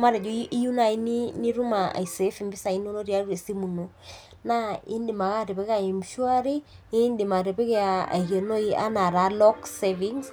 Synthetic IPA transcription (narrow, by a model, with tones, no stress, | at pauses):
ma˦ɾɛ˨d͡ʒo˦i˦ju˦na˨i˦ni˦ni˦ɾu˦ma̰˨i˨se˨˦fi˨mbi˦sa˨i˦n˦o˦no˦ɾja˨˦ɾe˨si˦mu˨no˨ | na˦ḛ˦ndi˨ma˨ka˦ɾe˨pe˦ka˨i˨mʃwa˦ɾe˦ | e˦nde˨ma˨ɾe˨pe˦ke˦a˨a̰˨i˨ke˨no˦i˦a̰˦na˨ɾa˨˦lɔ˦kse˦vi˦ŋs